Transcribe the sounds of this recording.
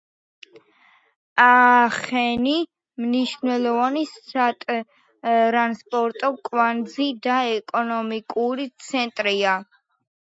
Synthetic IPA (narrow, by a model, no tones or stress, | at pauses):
aχɛni | mniʃvnwɛlˠɔvanisat̪ʼ | ɾanspʼɔɾt̪ʼɔkʼvand̪zid̪aɛkʼɔnɔmikʼuɾit̪sʰɛnt̪ʼɾia